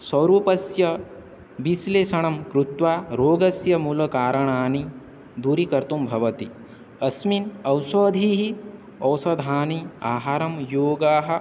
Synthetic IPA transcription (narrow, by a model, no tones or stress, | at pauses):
swɐɾuːpɐsjɐ | ʋisleːʃɐɳ̃ɐmkɾut̪ʋaːɾoːɡɐsjɐmulɐkaːɾɐɳaːni | d̪uɾikɐɾt̪umbʱɐʋɐt̪i | ɐsminɐwsɐːd̪ʱiːɦi | ɐwsɐd̪ʱaːniaːɦaːɾɐmjoːɡaːɦɐ̆